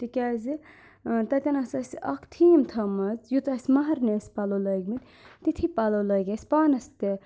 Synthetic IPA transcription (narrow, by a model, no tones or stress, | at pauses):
t̪ikʲazi | t̪ɐt̪ʲɐnɐsɐsɐkʰt̪ʰiːmt̪ʰɐmɐzjut̪ɐsʲmɐɦɐɾneːsʲpɐlolɐɡmit̪ʲ | t̪it̪ʰipɐlolɐɡʲɐsʲpaːnɐst̪e